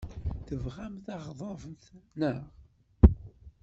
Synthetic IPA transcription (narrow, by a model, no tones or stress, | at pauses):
θəvʁæmθɑʁðˤɑvənθnəʁ